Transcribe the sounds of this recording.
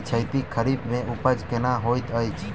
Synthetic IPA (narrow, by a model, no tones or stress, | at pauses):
t͡ʃʰəjt̪ikʰəɾibmẽʊpəd͡ʒkenaɦojt̪əjt͡ʃʰ